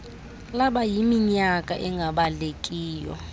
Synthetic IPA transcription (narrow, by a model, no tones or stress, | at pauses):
laɓajimiɲakʼa̰ʔɛŋɡʱaɓalekʼiːjɔ̰